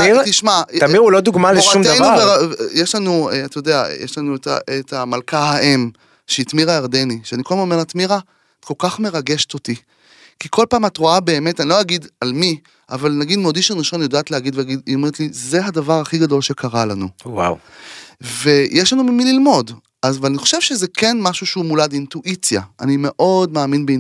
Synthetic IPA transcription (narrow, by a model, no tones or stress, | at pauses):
it̪iʃmatamiʁulod̪uɡmaleʃaumtdajnubeʁajeʃlanueatajodea̰jeʃlanueta̰ʔetamalkaɦaʔe̞m | ʃeitmiʁaeʁdeniʃeanikodemo̞meʁat̪miʁa | atkolkaχme̞ʁaɡeʃe̥to̞ti | kikʰo̞lpaːmatʁoabe̞ːme̞tanilo̞jaɡidalmi | avalnaɡid̪meodiʃenʁiʃo̞njodaːt̪lehaɡid̪veaɡid̪ome̞ʁet̪lize̞ɦadavaʁaχiɡado̞lʃekʰaʁalanuwa̰w | ve̞jʔeʃlanumimililmo̞d | azvalaniχo̞̥ʃe̞vʃezekʰe̞nmaʃuʃeumuladintuʔit͡sja̰ʔa̰nime̞ʔo̞dmaːminbei